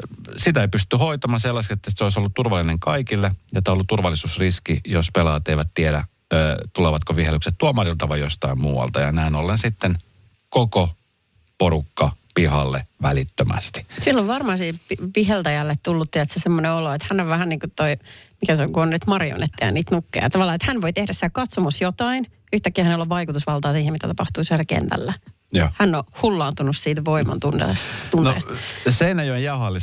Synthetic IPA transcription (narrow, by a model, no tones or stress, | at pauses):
sit̪æeipyst̪yhoit̪ɑmɑnselːɑskiet̪ːæseoisolːut̪t̪urʋɑlːineŋkɑikilːejot̪ːɑolːut̪t̪urʋɑlːˑisuːsriskijospelɑːt̪eiʋæt̪t̪ieɾæː | t̪uleʋɑt̪koʋihelːykset̪t̪uɑmɑrilt̪ɑʋɑjjost̪ɑimmuːwɑ̰lt̪ɑjɑ̰næinolːensit̪ːen | koko | poɾukːɑpihɑlːḛʋælit̪ːømæ̰st̪i̥silːoʋʋɑrmɑsiːpipihelt̪æjælːet̪t̪ulːut̪ːiæt̪sesemːoneoloet̪hænːoʋʋæhænniːŋkut̪t̪oimikæseoŋkuonːyt̪mɑrjo̰net̪ːehæ̰niːt̪nukːḛjɑt̪ɑʋɑlːɑːet̪hænʋoit̪ehdæssit̪ækɑt̪somusjot̪ɑin | yht̪ækːiæhænelːoʋʋɑikut̪usʋɑlt̪ɑːsiːhemit̪æt̪ɑpɑht̪uːsielækḛnt̪æ̰lːæ | joːhænːohulːɑːnt̪unussiːt̪ʋoimɑ̰nt̪unt̪ḛst̪unnḛːst̪seinæjojjɑhɑlːi